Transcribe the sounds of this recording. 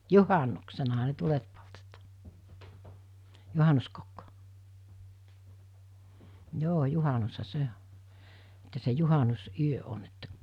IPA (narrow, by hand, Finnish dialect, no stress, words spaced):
juhɑnːuksenɑhɑ ne tulet poltetɑ̥ː juhɑnuskokːo̥ joː juhɑnushɑ se o etːæ se juhɑnusyø on etːæ